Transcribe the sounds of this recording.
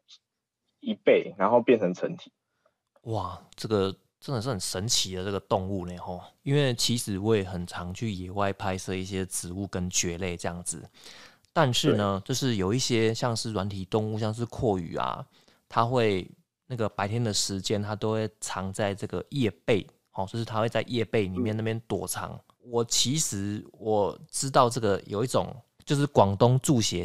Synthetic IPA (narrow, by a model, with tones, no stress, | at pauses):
i˨˥pe˥˨˩ɪna˨˦nxo˥˧ʊpjɛ˥˨nt͡sʰə˧˦ŋt͡sʰə˨˦nt̪ʰi̥˨˩˦ | wa˥˩ʈ͡ʂɤ˥˩ɡə˩ | ʈ͡ʂə˥nd̪ə˨˩ʂ̬ɻ̩˥˩xə˨˩nʂə˧˦nt͡ɕʰi˧˥d̪ə˨˦ʈ͡ʂɤ˥˩ɡə˩t̪ɔ˥˧ŋu˥˩ne˨˩xɔ˥˧˩i˦˥nwe˥˩ɪt͡ɕʰi˧˥ʂɻ̩˨˩wɔ˧˥˩jɛ˨˩xə˨˩nʈ͡ʂʰɑ˧˦ŋt͡ɕʰy˥˩jɛ˨˩wa˥˧ɪpʰa˥ɪʂɤ˥˧i˥˩ɕ̬jɛ˥t͡sɹ̩˨˦u˥˩kə˦nt͡ɕɥɛ˧˥le˥˩ɪʈ͡ʂə˥˧jɑ̰˥˩ŋd͡zɹ̩˩ | t̪a˥˧nʂɻ̩˥˨nə˩t͡ɕjo˥˧ʊʂɻ̩˥˩jo˨˩ʊi˥˩ɕjɛ˥ɕjɑ˥˧ŋʂɻ̩˥˩wa˧˦nt̪ʰi˨˩t̪ʊ˥˧ŋu˥˧ɕjɑ˥˧ŋʂ̬ɻ̩˥˧kʰwɔ˥˩y̰˨˩ɐ̰˩ | t̪ʰa˦xwe˥˩ɪ | na˥˩ɡə˩pa˧˥ɪt̪ʰjɛ˥nd̪ə˨ʂɻ̩˧˦t͡ɕjɛ˥˦nt̪ʰa˥t̪o˥ʊxwe˥˩ɪʈ͡ʂʰɑ˧˥ŋt͡sa˥˧ɪʈ͡ʂɤ˥˩ɡə˩jɛ˥˧pe˥˩ɪ | hɔ˨˩wɔ˥˧ʂɻ̩ʰ˥˩a˥we˥˧ɪt͡sa˥˧ɪʔjɛ˥˧pe˥˩ɪni˨˩mjna˥˩pjɛ˥˧nt̪wɔ˨˩ʈ͡ʂʰɑ̰˧˥ŋ | wɔ˨˩t͡ɕʰi˧˥ʂɻ̩˧˥wɔ˨˩ʈ͡ʂɻ̩˥t̪ɑ˥˧ʊʈ͡ʂɤ˥˩ɡə˩jo˨˩ʊi˥˩t͡so̰˨˩˦ŋ | t͡ɕjo˥˧ʊʂɻ̩˥˩kwɑ˨˩ŋt̪ʊ˥ŋt͡su˥˩ɕjɛ˨˧˦